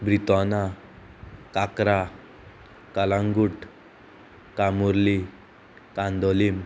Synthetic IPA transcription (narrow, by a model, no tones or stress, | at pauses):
bɾit̪ɔna | kakɾa | kalãŋɡuʈ | kamuɾli | kãnd̪ɔlim